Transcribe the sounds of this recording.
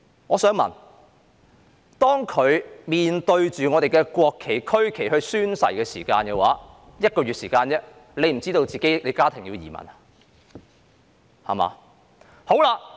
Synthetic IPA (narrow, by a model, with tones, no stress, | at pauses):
ŋɔː˨˧sœː˨˥ŋmɐ̰˨˩n | t̪ɔː˥ŋkʰɵ˨˧ɥmiː˨nt̪ɵ˧ɥt͡ʃyː˨ŋɔː˨˧ɾe˨jkɛː˧kʷɔː˧kʰːe˨˩jkʰɵ˥ɥkʰe˨˩jhɵ˧ɥsyː˥nsɐ̰˨˩jkɛː˧sḭː˨˩kaː˧nkɛ˧waː˨˥ | jɐ˥t̚kɔː˧ɥyː˨t̚siː˨˩kaː˧njɛ˥ | le˨˧jm̩˨˩t͡siː˥t̪o˧wt͡siː˨ke˨˥jle˨˧jkaː˥t̪ʰɪ˨˩ŋjiː˧wjḭː˨˩mɐ̰˨˩nɐ˨ | hɐ̰˨˩ma̰ː˨˧ | ho˨˥wla˧